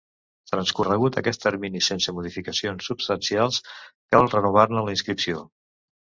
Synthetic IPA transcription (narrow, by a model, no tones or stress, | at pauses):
t̪ɾənskurəɣ̞ut̪əkɛst̪əɾminisensəmuðifikəsionsːupst̪ənsialˠskəalˠrənuβ̞arnələinskɾipsio